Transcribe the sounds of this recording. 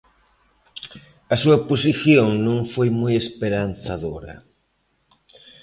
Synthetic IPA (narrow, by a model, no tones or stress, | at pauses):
ɐsuɐposiθjoŋnõŋfojmojespeɾanθaðoɾɐ̰